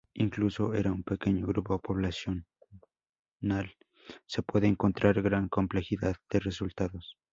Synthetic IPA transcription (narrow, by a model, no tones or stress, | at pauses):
iŋklusoḛɾaumpekeɲoɣɾupoðepoβlasjon | al | sepweðeːŋkont̪ɾaɾɣɾaŋkomple̞xiðaðd̪̥eresult̪aðos